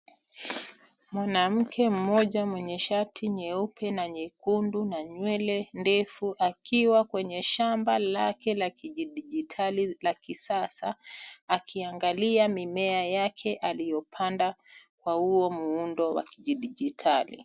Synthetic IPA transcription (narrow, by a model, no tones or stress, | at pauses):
mwanam̩kʰɛm̩mɔʄamwɛɲɛʃatʰiɲɛupʰɛnaɲɛkundunaɲwɛlɛndɛfuʔakʰiwakwɛɲɛʃambalakɛlakiʄiɗiʄitʰalilakisasaː | kʰiaŋɡaliamimɛajakʰɛʔalijɔpʰandakwahuɔmuundɔwa̰kiʄiɗiʄitʰalḭ